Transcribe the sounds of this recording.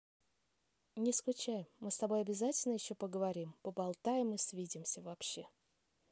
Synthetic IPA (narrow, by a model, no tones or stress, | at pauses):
nʲɪsklʲʊt͡ɕajɪːɨst̪ɐbo̞jɐbʲɪzatʲɪlʲnəjɪɕːo̞pəɡəvɐɾʲimpəbɐlˠt̪ajɪmɨsʲvʲidʲɪmsʲəvɐpɕːe̞